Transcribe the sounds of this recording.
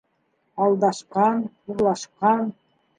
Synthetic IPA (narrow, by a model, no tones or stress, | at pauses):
ɑlˠd̪ɑʃqɑn | uɾlˠɑʃqɑn